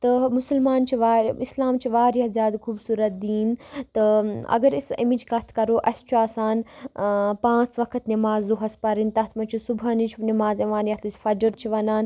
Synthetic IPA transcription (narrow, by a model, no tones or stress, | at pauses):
t̪ɐmʊsəlmaːnt͡ʃʰiʋaːislaːmt͡ʃʰiʋaːɾjazjaːd̪kʰuːbsuːɾɐt̪̚d̪iːnt̪ɐɐ̰ɡɐɾisimid͡ʒɡɐt̪ʰkɐɾoːʔɐst͡ʃʰuaːsaːn | pãːt͡sʋɐkʰɐt̪nimaːzd̪oɦɐspɐɾint̪ɐt̪ʰmɐt͡ʃʰusubanit͡ʃʰnimaːzɐʋaːnjɐt̪ʰisfɐd͡ʒəɾt͡ʃʰiʋɐnaːn